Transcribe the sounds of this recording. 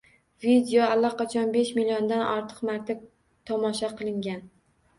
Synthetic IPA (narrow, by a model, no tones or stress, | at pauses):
vid̪eoalːaqɑt͡ʃʰɒnbeʃmilijoɒnd̪anʔɒɾt̪ʰɨ̥qmaɾt̪ʰɪp̚ | t̪ʰɒmɒʃaqʰɨlˠɪŋɡʲan